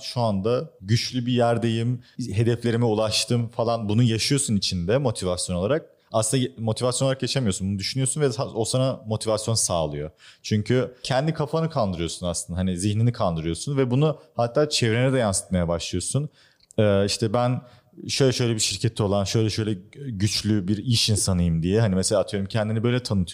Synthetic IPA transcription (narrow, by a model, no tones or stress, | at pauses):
ʃuand̪aɟyt͡ʃlʲybijæɾd̪e̞jimɦe̞d̪ɛflʲe̞ɾimiulˠaʃt̪ʰɯmfalˠanbunujaʃɯjo̞sunit͡ʃʰind̪ɛmo̞t̪ʰivasjo̞no̞lˠaɾak̚ | asɯnd̪amo̞t̪ʰivasjoɾakjat͡ʃʰamijosunbunud̪yʃynyjo̞sunvɛaosanamo̞t̪ʰivasjo̞nsaːlˠɯjot͡ʃʰyɲcʰycʰɛnd̪ikʰafanɯkʰalˠd̪ɯɾɯjo̞sunaslˠɯnaɦaniziçninikʰalˠd̪ɯɾɯjo̞sunvɛbunuhat̪ʰːaːt͡ʃʰɛvɾenɛd̪ɛjansɯ̥t̪majabaʃlˠɯjo̞sun | ɛːiʃt̪ʰɛbæn | ʃøjlʲɛʃø̞jlʲɛbiʃiɾcʰɛt̪ʰːɛo̞lˠanʃø̞jlʲɛʃø̞jlʲɛɟyt͡ʃlʲybiɾiʃinsanɯjɯmd̪ijɛɦanimɛselʲaːt̪ʰɯjo̞ɾumcʰɛnd̪inibø̞jlʲɛt̪ʰanɯt̪ʰ